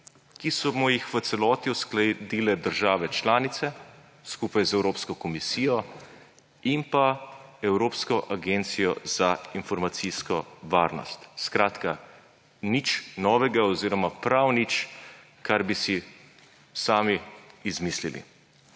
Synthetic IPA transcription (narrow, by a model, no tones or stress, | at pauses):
kisɔmɔjixʋət̪sɛlɔːt̪iɔsklɛd̪ilɛd̪əɾʒaːʋɛt͡ʃlaːnit̪sɛ | skupajzɛwɾoːpskɔkɔmisiːjɔ | impaɛwɾoːpskɔʔaɡent̪sijɔz̥ainfɔɾmat̪siskɔʋaɾnɔ̰st̪skɾaːt̪ka | nit͡ʃnɔːʋɛɡaɔziːɾɔmapɾawnit͡ʃ | kaɾbisi | saːmiːzmislḭlḭ